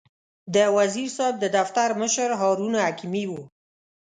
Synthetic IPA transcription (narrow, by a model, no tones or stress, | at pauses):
d̪əwaziɾsɑb̚d̪əd̪aft̪aɾməʃəɾɦɑɾunhakimiwu